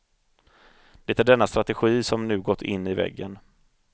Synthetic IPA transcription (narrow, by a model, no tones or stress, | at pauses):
d̪̥ɛt̪æɖɛnːast̪ɾat̪ɛɧiːsɔmnʉ̟ːɡɔt̪ʰːɪnːɪvɛ̰ɡːən